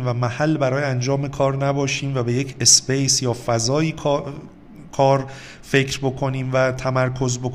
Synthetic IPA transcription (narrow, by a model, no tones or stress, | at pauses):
mvæmæhælːbæɾɒːjeænd͡ʒɒːme̞kʰɒːɾnæbɒːʃiːmvæbe̞je̞cʰesbejsjɒːfæzɒːjiːkʰ | kʰɒːɾ | fe̞cʰɾbo̞kʰo̞niːmvæt̪ʰæmæɾkʰo̞zbok